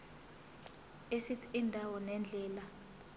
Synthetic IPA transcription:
esit͡sʰi̥indʱawɔnɛnd͡ɮʱɛːla

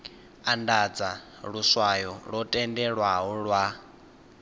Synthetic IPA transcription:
andad͡za | ɺuswajɔɺɔtʼɛndɛɺwaɦɔɺwa

